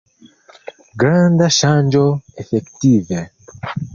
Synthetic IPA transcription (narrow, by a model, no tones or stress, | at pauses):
ɡɾãnd̪aʃãnd͡ʒoefekt̪ive